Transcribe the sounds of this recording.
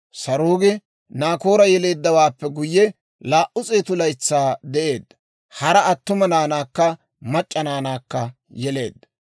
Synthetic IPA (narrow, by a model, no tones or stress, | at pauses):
sɐɾoːɡɪ | naːko̞ːɾɐjɛle̞ːd̪ːɐwaːpːɛɡʊjːɛ | laːʔʊt͡sʼeːt̪ʊlɐjt͡sːaːd̪ɛʔe̞ːd̪ːɐ̥ | hɐɾɐʔɐt̪ːʊmɐnaːnaːkːɐ | mɐt͡ʃʼːɐnaːnaːkːɐ | jɛle̞̰ːd̪ːɐ̥